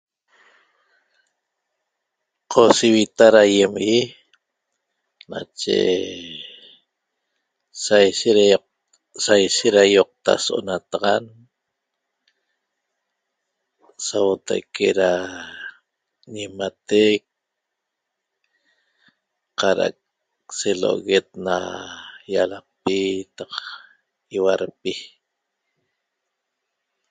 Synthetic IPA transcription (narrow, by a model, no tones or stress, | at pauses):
qʰosiwit̪aɾajemɣi | na̰t͡ʃḛ | sajʃeɾ | sajʃeɾajoq̚t̪a̰soo̰nat̪aʁɑn | sawot̪a̰jkeɾa | ɲimat̪ek̚ | qɑɾa̰ʔa̰k̚ | selo̰ʔoɣet̪̚na̰jalɑq̚pit̪ɑq | iwaɾpi